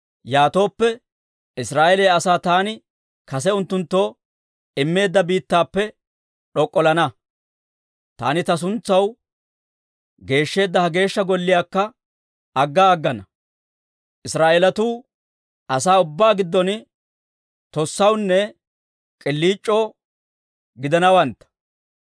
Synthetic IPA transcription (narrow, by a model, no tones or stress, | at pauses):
jaːt̪o̞ːpːɛ | ɪsɾaːʔeɛleːɐsaːt̪aːnɪ | kɐs̬ɛʊnt̪ːʊnt̪ːo̞ː | ɪmːe̞ːd̪ːɐbiːt̪ːaːpːɛ | ɗɔkʼːɔlɐnɐ | t̪a̰ːnɪt̪ɐs̬ʊnt͡sːɐw | ɡe̞ːʃːe̞ːd̪ːɐhɐɡe̞ːʃːɐɡɔlːɪjaːkːɐ | ɐɡːaːɡːɐnɐ | ʔɪsɾaːʔeːlɐt̪uː | ɐsaːʊbːaːɡɪd̪ːɔn | t̪ɔsːɐwnːɛ | kʼɪlːiːt͡ʃʼːo̞ː | ɡɪd̪ɐnɐwɐnt̪ːɐ̥